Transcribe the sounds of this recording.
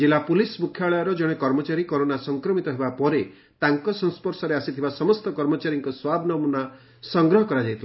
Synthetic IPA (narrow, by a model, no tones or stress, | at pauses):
d͡ʒilapulismukʰjaɭɔjɔɾɔd͡ʒɔɽ̃ekɔɾmɔt͡ʃaɾikɔɾonasɔŋkɾɔmit̪ɔɦebapɔɾe | t̪aŋkɔsɔ̃ŋspɔɾsɔɾeasit̪ʰibasɔmɔst̪ɔkɔɾmɔt͡ʃaɾiŋkɔswabʱnɔmuna | sɔŋɡɾɔɦɔkɔɾad͡ʒajt̪ʰib